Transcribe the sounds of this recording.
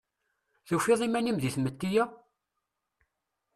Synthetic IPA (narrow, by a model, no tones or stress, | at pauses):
θufiðˤimænimðiθmət̪ːijæ